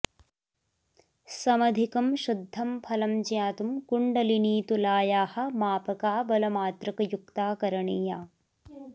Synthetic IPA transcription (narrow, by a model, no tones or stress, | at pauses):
sɐmɐd̪ʱikɐmʃud̪ʱːɐmpʰɐlɐmd͡ʒjaːt̪umkuɳɖɐliniːt̪ulaːjaːhɐ̆maːpɐkaːbɐlɐmaːt̪ɾɐkɐjukt̪aːkɐɾɐɳiːjaː